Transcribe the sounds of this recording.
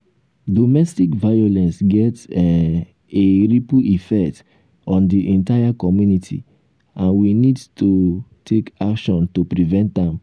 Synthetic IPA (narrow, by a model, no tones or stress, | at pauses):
dɔmɛstikvajolɛ̃nsɡɛt | eɹipuʔifɛkt | ɔ̃ndiʔɛ̃ntajakɔmjunitʰḭ | ãnwinidtʰutʰekakʃɔ̃ntupɾivɛ̃nt̚dãm